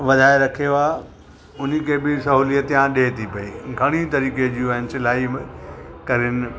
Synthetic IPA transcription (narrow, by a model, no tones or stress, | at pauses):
ʋɐd̪ʱaːeɾɐkʰijoaː | ʊn̤ikʰebɪsɐɦuːlijət̪ːjãɗet̪ʰipɐiːɡʱɐɽ̃it̪ɐɾiːkeʄiũɐɪnɪ̆sɪlaːi | kɐɾɪnɪ